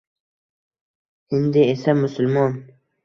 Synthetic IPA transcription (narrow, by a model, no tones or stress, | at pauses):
ɪnd̪ɪesamʊsʊlˠmɒn